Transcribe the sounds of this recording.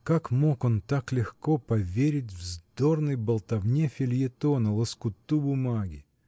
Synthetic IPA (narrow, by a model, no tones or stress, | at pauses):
kakmo̞ko̞nt̪aklʲɪxkopɐvʲeɾʲɪt̬ʲvzd̪ornəjbəlˠt̪ɐvnʲefʲɪlʲjɪt̪onəlˠəskʊt̪ːubʊmaɡʲɪ